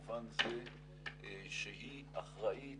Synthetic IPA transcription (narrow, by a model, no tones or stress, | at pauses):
vanze | ʃeɦi | aχʁaʔi